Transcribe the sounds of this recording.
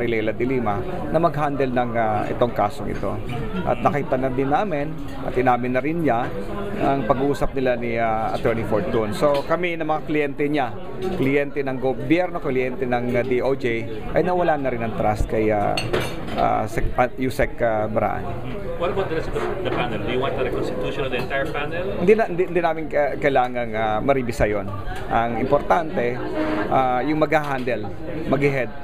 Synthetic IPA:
ɾɪlɛjlɐd̪ɪliːmɐ | nɐmɐɡɦand̪ɛlnɐŋaʔɪ̰t̪o̞ŋkaːsoŋʔɪ̰t̪o̞̰ | ʔɐ̰t̪̚nɐkɪt̪ɐnɐnd̪ɪnːaːmɪn | ʔɐ̰t̪ʔɪnaːmɪnːɐɾɪnɲa | ɐŋpɐɡʔuːsɐp̚nɪlaniaɐ̰t̪ɛɹnifoɹt̪̚ːonso̞kɐminɐmɐŋaklɪjɛnt̪ɛɲa | klɪjɛnt̪ɛnɐŋɡobjɛɾno̞klɪjɛnt̪ɛnɐŋd̪iʔowd͡ʒej | ʔɐ̰jnɐwɐlanɐɾɪnɐŋt̪ɾast̪̚kɐja̰ | ʔa̰sɛk̚pajusɛkɐbɐɾa̰ːʔa̰nm | wɐlwɐt̪̚d̪ɾɛsd̪ɐd̪ɐpanɛld̪ujʊwant̪ːɐɾɛkonst̪ɪt̪juʃõnɐd̪ɐɛ̃nt̪ajɛpanɛlhɪnd̪iɪnd̪ind̪inaːmɪnkɐjlaːŋɐŋamɐɾibɪsɐjon | ʔɐŋɪmpoɾt̪ant̪ɛ | ʔajʊŋmɐɡhaɦand̪ɛl | mɐɡɪɦɛd̪̚

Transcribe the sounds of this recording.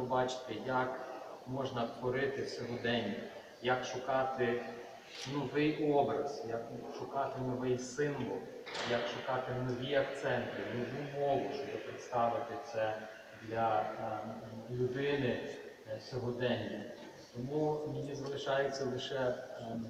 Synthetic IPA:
ɔbɑt͡ʃɪ̥t̪ɪjɐkmɔʒnɐt̪ʋɔɾɪt̪ɪwsʲɔɦɔd̪ɛnʲːɐ | jɐkʃʊkɑt̪ɪ | nɔʋɪjʔɔbɾɐ̰sjɐkʃʊkɑt̪ɪnɔʋɛjsɪmʋɔlˠ | jɐkʃʊkɑt̪ɪnɔʋʲiɐkt̪sɛnt̪ɪnɔʋumɔʋʊʃt͡ʃɔbɪpɾɪt̪st̪ɑʋɪt̪ɪt̪sɛ | d̪lʲɐ | lʲʊd̪ɪnɪ | sʲɔɦɔd̪ɛnʲːɐ | t̪ɔmumɪjʲizɐlˠɪʃɑjʊt͡sʲːɐlˠɪʃɛ

